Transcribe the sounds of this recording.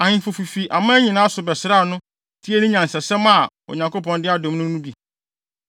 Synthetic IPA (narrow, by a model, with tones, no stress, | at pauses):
a˨ɲɪ̃˨fo˨fi˨fi˨ʔa˨mã˦ɲĩ˨nãː˦sʊ˨bɛ˨sɾa˦˨nʊ̃˦ | tʰi˦e˦nʊ̃˦ɲã˨n̩˨sɛ˨sɛ˦mã˦˨ | o̰˨ɲã˨ŋko˦pɔ̃˨ndɪ˦a˦dɔ̃˨mnʊ̃˦nũ˦bi˨